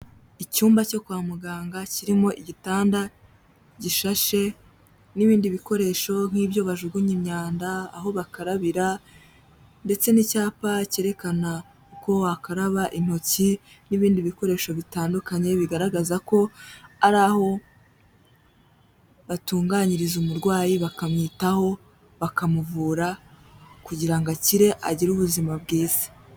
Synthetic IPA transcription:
icuːmbaco̞kuwaːmuɡaːŋɡaciɾimo̞ʔiɟitaːnda | ɟiʃaʃe̞ | niβiːndiβiko̞ɾe̞ʃo̞ŋ̥hiːbjo̞βaʒuɡuɲimɲaːnda̰ːɦo̞βakaɾaβiɾa | nde̞t͡se̞nicaːpaceɾe̞kana | kuko̞wakaɾaβaʔin̥ho̞ci | niβiːndiβiko̞ɾe̞ːʃo̞βitaːndukaɲe̞βiɡaɾaɡazako̞aɾaːho̞ | βatuːŋɡaːɲiɾizumuɾɡwaːjiβakamɲiːtaho̞ | βakamuvuːɾa | kuɟiɾaŋɡaciɾe̞ʔaɟiɾuβuzimab̚ɡiːzi̥

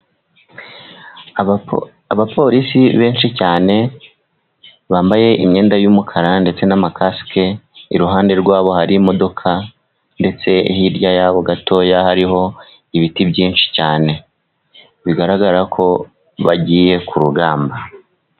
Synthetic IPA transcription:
aβapʰo̞ɾisiβe̞ːnʃicaːne̞ | βaːmbaje̞ʔimɲe̞ːndajumukʰaɾande̞t͡se̞namakaske̞iɾuɦaːnde̞ɾɡwaːβo̞haɾimo̞do̞kʰa | nde̞t͡se̞ihiɾɟajaːβo̞ɡato̞ːjahaɾiho̞ | iβitibɟiːnʃi̥caːne̞ | βiɡaɾaɡaɾakʰo̞ | βaɟiːje̞kuɾuɡaːmba

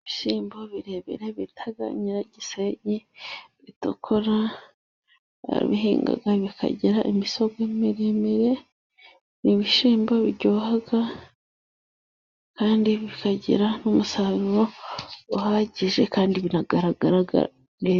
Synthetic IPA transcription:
βiʃiːmboβiɾeβḛɾe̞βitʰaɡa̰ɲiɾaɟiseɟiβitukʰoɾa | a̰ɾḭβiɦḭːŋɡa̰ɡaβikʰa̰ɟiɾaʔimiso̞ɡemiɾemeɾe̞ | niβiʃiːmboβiɾɟohaɡa | kaːndiβikaɟḭɾanumusaɾuɾoː | haːɟiʒe̞kaːndiβinaɡaɾaɡaɾaɡa̰ | ne

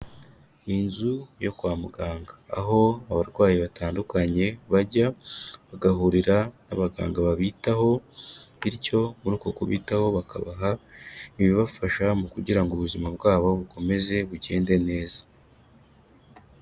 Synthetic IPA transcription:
inzujo̞kwaːmuɡaːŋɡa̰ːɦo̞aβaɾɡwaːjiβataːndukaɲe̞βaɟaβaɡaɦuɾiɾanaβaɡa̰ːŋɡaβaβiːtaho̞βiɾco̞muɾuːkokuβḭːtaho̞βaka̰βaɦaiβiβafaʃamukuɟiɾaŋɡuβuzimabɡaːβo̞βuko̞me̞ze̞βuɟe̞ːnde̞ne̞ːzḁ

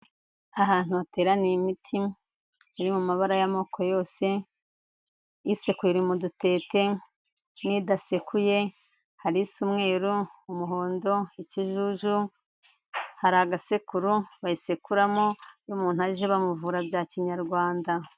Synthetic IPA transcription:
aɦaːn̥huβate̞ːɾanimitʰi | aɾimumaβaɾajamo̞ːkʰo̞jo̞ːse̞ | isekuɾiɾimudute̞ːte̞ | niːdasekuje̞ | haɾisumŋe̞ːɾuumuɦo̞ːndo̞iciʒuʒu | haɾaɡasekuɾuβajisekuɾamojumuːn̥huaɾiʒeβamuvuːɾabjaːciɲaɾɡwaːnda

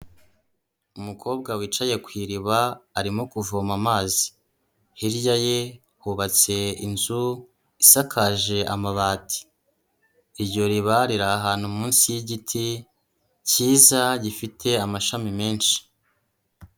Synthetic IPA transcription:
umukʰo̞ːbɡawit͡ʃaje̞kwiːɾiβaːɾimokuvomamaːzi̥ | hiɾɟaje̞ | huβat͡se̞inzu | isakʰaʒe̞ʔamaβaːtʰi̥ | ɾɟo̞ɾiβaɾiɾaːɦaːn̥humuːnsijiɟitʰi | ciːzaɟifitʰe̞amaʃamime̞ːnʃi̥

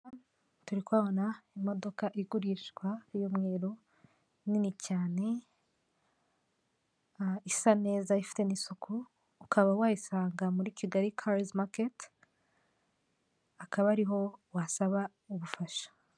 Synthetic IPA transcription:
tuɾikwaːβonaimo̞do̞kaʔiɡuɾiʃɡwajomŋe̞ːɾo | ninicaːne̞ | isane̞ːzaifi̥te̞nisukʰuː | kaβawaːjisaːŋɡamuɾiciɡaɾikʰaɾismaket | akaβaɾiɦo̞wasaβa | uβufaʃḁ

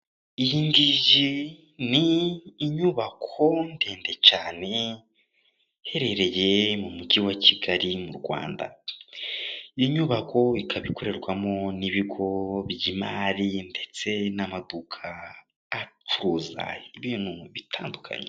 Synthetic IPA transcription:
ijindiʒi | niːɲuːβakʰo̞nde̞ːnde̞t͡ʃaːne̞ | he̞ɾe̞ɾe̞je̞mumuɟiwaciɡaɾimuɾɡwa̰ːnda̰ | ijiɲuːβakʰo̞ikʰaβiko̞ɾe̞ɾɡwamo̞niβiɡo̞βjimaːɾinde̞t͡se̞namadukʰaː | t͡ʃuɾuːza̰iβiːn̥huβitʰaːndukʰa̰ɲe

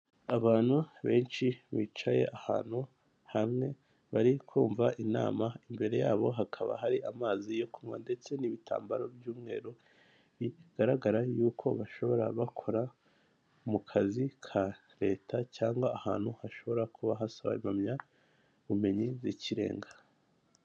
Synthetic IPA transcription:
aβaːn̥huβe̞ːnʃiβiːt͡ʃaje̞̰ʔaha̰ːn̥hu | hamŋe̞ | βaɾikʰuːɱvaʔina̰ːmaimbe̞ɾe̞jaːβo̞ɦakʰaβa̰ɦaɾiʔamaːzijo̞kumŋa̰nde̞t͡se̞niβitʰa̰ːmbaɾo̞bjuːmŋe̞̰ːɾo | βiɡ̥aɾaɡaɾajuːkʰo̞βaʃo̞βo̞ɾa̰βakʰo̞ɾa | mukʰazikʰa | ɾe̞ːtʰacaːŋɡwaaha̰ːn̥huhaʃo̞βo̞ɾakʰuβaɦasaβa̰imamɲa | βume̞ɲizicʰiɾe̞̰ːŋɡḁ

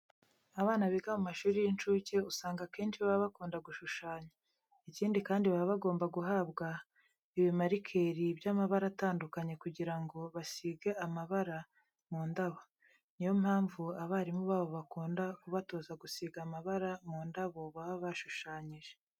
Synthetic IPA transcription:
aβaːnaβiɡamumaʃuːɾijint͡ʃuːceusaːŋɡakeːnʃiβaββakuːndaɡuʃuʃaːɲa | iciːndikaːndiβaβaɡo̞ːmbaɡuɦaːbɡa | iβimaɾikʰeɾibjamaβaɾataːndukaɲe̞kuɟiɾaŋɡo̞βasiːɡeamaβaɾa | muːndaβo | nijomhaːɱvuaβaːɾimuβaːβo̞βakuːndakuβato̞ːzaɡusiːɡamaβaɾamuːndaβo̞βaβaβaʃuʃaːɲiʒe

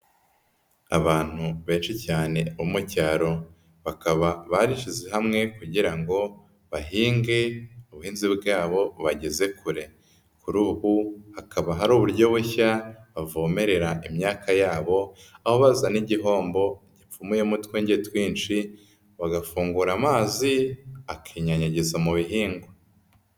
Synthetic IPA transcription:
a̰βaːn̥huβe̞ːnʃicaːne̞umucaːɾo̞ | βakaβaβaɾiʃize̞ɦamŋe̞kuɟiɾaŋɡo̞ | βaɦiːŋɡe̞uβuhiːnzibɡaːβo̞βaɟe̞ze̞kʰuɾe̞ | kuɾuːhuhakʰaβaɦaɾuːβuɾɟo̞βuçaβavoːme̞ɾe̞ɾaʔimɲaːkajaːβo̞aho̞βazaniɟiɦo̞ːmbo̞ɟip͡fumuje̞mutweːɲɟetwiːnt͡ʃi | βaɡafuːŋɡuɾamaːziakʰiːɲaɲaɟezamuβiɦiːŋɡo

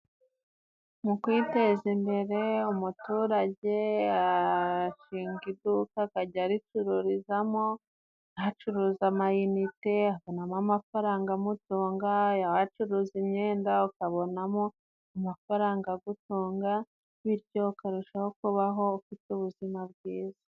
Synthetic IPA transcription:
mukwite̞zimbe̞ɾe̞umutuːɾaɟe̞aa | ʃiːŋɡidukakaɟaɾit͡ʃuɾuɾizamo | jhat͡ʃuɾuːzamajunite̞aβonamamafaɾaːŋɡamutoːŋɡajahat͡ʃuɾuːzimɲe̞ːndaukaβo̞namo̞ | amafaɾaːŋɡaɡutoːŋɡa | βiɾɟo̞ukaɾuʃaho̞kuβaɦo̞ufituβuzimabɡwiːzḁ

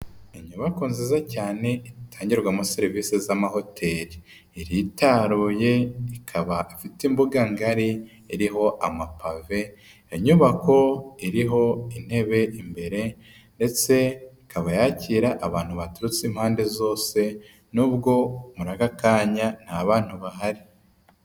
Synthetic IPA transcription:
eɲuβakoːnzizacaːne̞itʰaːɲɟiɾɡwamuseɾiviːsizamaho̞tʰe̞ːɾi | iɾitaɾuje̞ikʰaβaifitimbuɡaŋɡaɾi | iɾiɦo̞ʔamapʰave̞ː | ɲuβako̞iɾiɦo̞in̥he̞βe̞ʔimbe̞ɾe̞ | nde̞t͡se̞ikʰaβajaciːɾaʔaβaːn̥huβatuɾut͡siːm̥haːnde̞zo̞ːse̞ | nuːbɡo̞muɾaɡakaːɲan̥aβaːn̥huβaɦaɾi

